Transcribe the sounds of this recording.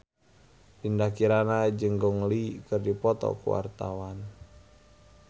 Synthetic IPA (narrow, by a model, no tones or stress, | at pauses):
pindahkiɾanad͡ʒəŋɡɔŋlikərdipɔt̪ɔ̰kṵwa̰rt̪awan